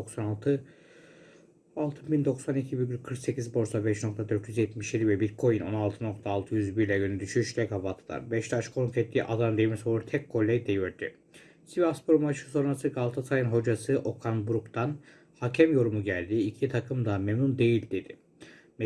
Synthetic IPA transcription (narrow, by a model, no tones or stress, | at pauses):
oksanalˠt̪ʰɯ | alˠt̪ʰɯnbind̪o̞ksanicʰibiɾɟʲylʲkʰɯɾkse̞cizbo̞ɾsabɛʃno̞k̚t̪ʰad̪øɾt̪jyzjɛt̪miʃjid̪ivɛbiɾkʰo̞jino̞nalˠt̪ʰɯno̞k̚t̪ʰaːlˠt̪ʰɯjyzbiɾlʲɛjønyd̪yʃyʃt̪ɛkavat̪ʰɯlˠa̰ɾbɛʃt̪ʰat͡ʃkʰonkɛt̪ʰːiːʔad̪and̪emisouɾt̪ʰɛkkʰːo̞lʲːɛjd̪e̞joɾd̪ḭ | sivaspʰoɾumaʃɯ̥so̞nɾasɯɡalˠt̪ʰasajɯnɦo̞d͡ʒasɯʔo̞kʰanbuɾukt̪ʰan | hacʰɛmjo̞ɾumuɟælʲd̪iːcʰit̪ʰakʰɯmd̪amemnund̪e̞jilʲd̪e̞d̪̥ɪ | mɛ